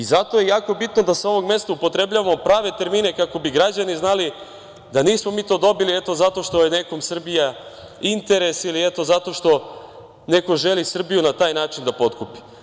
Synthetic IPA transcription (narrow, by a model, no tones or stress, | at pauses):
izat̪o̞je̞jaːko̞bit̪nod̪aseo̞ʋo̞ɡmest̪aupo̞t̪ɾe̞blʎaʋamopɾaːʋe̞t̪e̞ɾminekako̞biɡɾad͡ʑaniznali | d̪aniːsmo̞miːt̪o̞ːd̪obiliet̪o̞zat̪o̞ʃt̪o̞jeneko̞msr̩bija | int̪e̞ɾe̞siliet̪o̞zat̪o̞ʃt̪o̞ | ne̞ko̞ʒe̞lisr̩bijunat̪aːjnaːt͡ʃind̪apo̞t̪kupi̥